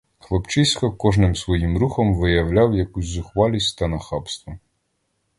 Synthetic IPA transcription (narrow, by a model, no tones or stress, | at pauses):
xlˠɔpt͡ʃɪsʲkɔkɔʒnɪmsʋɔjimɾuxɔmʋɪjɐwlʲawjɐkusʲzʊxʋɑlʲisʲtʲt̪ɐnɐxɑpst̪ʋɔ